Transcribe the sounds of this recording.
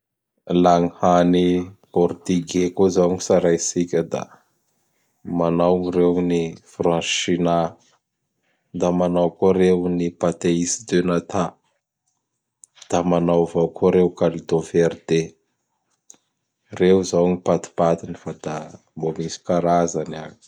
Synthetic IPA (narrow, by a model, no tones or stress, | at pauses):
laŋihanipɔɾt̪iɡekozawŋisaɾajsikʲəd̪a̰ | manawŋirewnifrãnʃina | d̪amanawkoɾewnipat̪eisid̪enat̪a | d̪̥amanawvawkoɾewkalid̪oferd̪e | rewzawŋipat̪i̥pat̪inifad̪a | mbomisi̥kaɾazanaɲi̥